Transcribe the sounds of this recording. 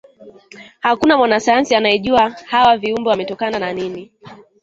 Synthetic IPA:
hakunamwanasajansianajɛʄuahawaviumbɔwamɛtɔkanananini

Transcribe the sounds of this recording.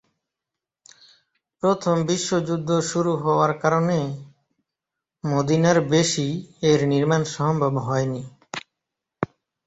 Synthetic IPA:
pɾot̪ʰombiʃːod͡ʑud̪ʱːoʃuɾuɦɔoaɾkaɾone | mod̪inaɾbeʃieɾniɾmanʃɔmbʱobɦɔeni

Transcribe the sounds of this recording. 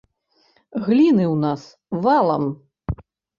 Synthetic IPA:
ɣlʲinɨwnas | valˠɐ̰m

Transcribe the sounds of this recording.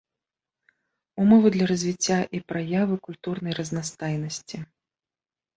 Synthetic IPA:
umɔvɨd̪lʲɐɾɐzʲvʲit͡sʲːaʔipɾajavɨkulʲt̪urn̪ɐjrɐznast̪ajnɐsʲt͡sʲi

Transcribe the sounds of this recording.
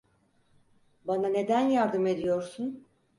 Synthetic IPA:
banane̞d̪ænjaɾd̪ɯme̞d̪ijo̞ɾsun

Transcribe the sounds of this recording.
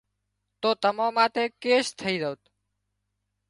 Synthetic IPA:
t̪ot̪əmãmãt̪ekeʃt̪ʰəiɾəut̪

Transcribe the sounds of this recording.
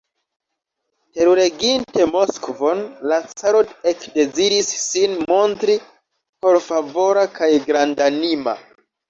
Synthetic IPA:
te̞ɾuɾe̞ɡinte̞mo̞skvo̞nlat͡saɾode̞kde̞ziɾisːinmo̞ntɾi | po̞ɾfavo̞ɾakajɡɾandanima̰

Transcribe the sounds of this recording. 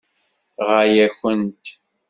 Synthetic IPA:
ʁajæçənt̪

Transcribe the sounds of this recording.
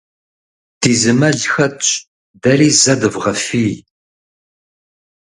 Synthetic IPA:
d̥iːzɨmɐɮxɐɕʼ | dɐriːzɐdɨvʁɐfiː

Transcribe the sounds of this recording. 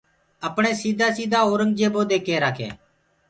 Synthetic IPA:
əpɳeːsiːd̪ʱaːsiːd̪ʱaːoːɾəŋɡd͡ʒeːboːd̪eːkeːɾaːkʰḛː

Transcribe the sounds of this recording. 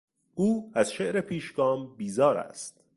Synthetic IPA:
ʔuːæzʃeʔɾe̞pʰiːʃɡɒːmbiːzɒːɾæ̰st̪̚

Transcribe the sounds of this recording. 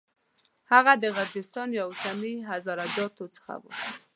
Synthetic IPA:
haɣad̪əɣaɾzɪst̪ɑnjawsaniɦazɑɾad͡ʒɑt̪ot͡sə̥xa̰bṵ

